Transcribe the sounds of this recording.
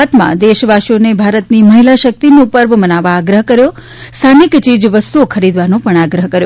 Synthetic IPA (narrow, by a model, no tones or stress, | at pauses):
at̪mã̰d̪eʃʋaʃjonebʱaɾət̪niməɦilaʃək̚t̪inopəɾʋmənaʋaːɡɾəɦkəɾjo | st̪ʰanikt͡ʃid͡ʒʋəst̪uokʰəɾid̪ʋanõpəɳaɡɾəɦkəɾjo